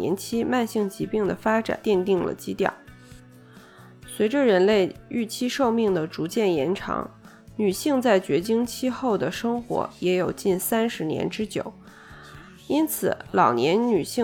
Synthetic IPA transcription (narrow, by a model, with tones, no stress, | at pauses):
ɛ̰˧˥nt͡ɕʰi˥ma˥˧nɕi˥˩ŋt͡ɕi˧˥pi˥˩ŋd̪ə˩fa˥ʈ͡ʂa̰˨˩nt̪jɛ˥˧nt̪i˥˩ŋlə̰˩t͡ɕi˥t̪jɑ̰˥˩ʊ | swe˧˥ɪʈ͡ʂə˧ɻə˧˥nle˥˧ɪy˥˩t͡ɕʰi˥ʂo˥˧ʊmi˥˩ŋd̪ə˩ʈ͡ʂu˧˥t͡ɕjɛ˥˩njɛ˧˥nʈ͡ʂʰɑ̰˧˥ŋ | ny˨˩ɕi˥˧ŋt͡sa˥˩ɪt͡ɕɥɛ˧˥t͡ɕi˥ŋt͡ɕʰi˥xo˥˩ʊd̪ə˩ʂɤ˥ŋxwɔ̰˧˥jɛ˧˥jo˨˩ʊt͡ɕi˥˩nsa˥nʂɻ̩˧˥njɛ̰˧˥nʈ͡ʂɻ̩˥t͡ɕjo̰˨˩˦ʊ | i˥nt͡sʰɹ̩˨˩˦lɑ˨˩ʊnjɛ˧˥nny˨˩ɕi˥˧